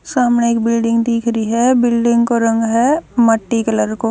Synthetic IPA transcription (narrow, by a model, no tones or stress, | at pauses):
saːmneeːkbɪlɖɪ̃ŋɡd̪iːkʰɾiɦɛbɪlɖɪ̃ŋɡkoɾɐ̃ŋɡɦɛmɐʈːikɐləɾko